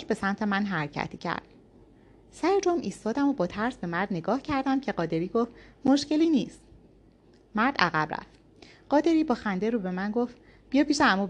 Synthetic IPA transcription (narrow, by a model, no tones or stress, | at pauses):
d͡ʒbe̞sæmt̪ʰe̞mænɦæɾcʰæ̰t̪ʰiːcʰæ̰ɾd̪̥ | sæɾed͡ʒomʔiːst̪ɒːd̪æmobɒːt̪ʰæɾsbe̞mæɾd̪neɡɒːhcʰæɾd̪æmcʰe̞ɢɒːd̪e̞ɾiːɡoft̪mo̞ʃce̞liːniːst̪ | mæɾd̪æ̰ɣæ̰bræ̰ft̪ | ɢ̥ɒːd̪e̞ɾiːbɒːxænd̪e̞ɾube̞mænɡoft̪ | b̥ijɒːpʰiːʃeæmuːb